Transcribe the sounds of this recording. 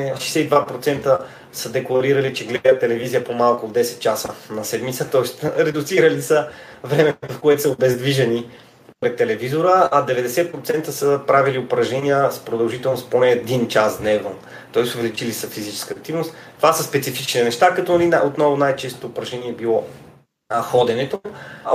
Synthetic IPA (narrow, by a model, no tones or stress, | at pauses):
ɛʃɛjsɛid̪vapɾot̪sɛnt̪ə | səd̪ɛklˠɐɾiɾɐlit͡ʃɛɡlɛd̪ət̪ːɛlɛvizijəpomalˠkʊːd̪ːɛsɛ̥t̪̚t͡ʃasənɐsɛd̪mit̪sət̪ɔɛst̪ɾɛd̪ʊt̪siɾəlisə | vɾɛmɛfkoɛt̪səobɛzd̪viʒɛni | pɾɛt̪ːɛlɛvizoɾəɐd̪ɛvɛd̪ɛsɛt̪̚pɾot̪sɛnt̪əsəpɾaviliopɾɐʒnɛnijəspɾod̪ɐlˠʒit̪ɛlˠnost̪ponɛːd̪int͡ʃasd̪nɛvno | t̪ɔɛsʊvɛlit͡ʃilisəfizit͡ʃɛ̥skəːk̚t̪ivnost̪ːovasəspɛt̪sifit͡ʃninɛʃt̪akɐt̪ɔliot̪nɔvʊnajt͡ʃɛst̪o̥t̪oːpɾɐʒnɛniɛɛbilˠɔ | xɔd̪ɛnɛt̪o